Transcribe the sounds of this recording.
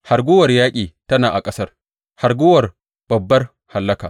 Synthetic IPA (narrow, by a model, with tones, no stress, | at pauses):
ha˨ɾɡʷʊ˦wɐ˨rjaː˦kʲʼiː˨tɐ˦naː˨ʔa˨kʼɐ˦sɐ˦r | ha˨ɾɡʊː˦wɐ˨r | b̥ɐ˨bːɐ˦r | ha˨lːɐ˦ka̰ː˨